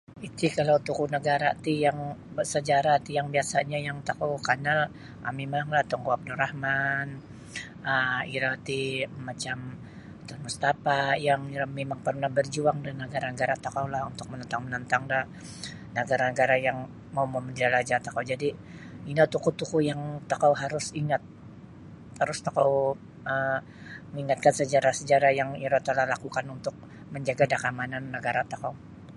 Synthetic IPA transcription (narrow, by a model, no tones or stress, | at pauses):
it̪ikalawt̪ukunəɡaɾat̪ijaŋbəsəd͡ʒaɾat̪ijaŋbiasaɲajaŋt̪akawkanal | ʔamemaŋlaht̪ɔŋɡoap̚duɾahman | əiɾat̪imat͡ʃam | t̪ɔnmust̪apajaŋamemaŋpərnahbərd͡ʒuaŋdanəɡaɾanəɡaɾat̪akawlahunt̪ʊk̚mənənt̪aŋmənənt̪aŋdah | nəɡaɾanəɡaɾajaŋ | maumoməɲd͡ʒalad͡ʒat̪akawd͡ʒadiinat̪ukut̪ukujaŋt̪akawɦaɾʊsiŋat̪̚ | haɾʊst̪akaw | əm | əŋiŋat̪̚kansəd͡ʒaɾasəd͡ʒaɾajaŋiɾat̪alahlakukanunt̪ʊk̚ | məɲd͡ʒaɡadakamananːəɡaɾat̪akaw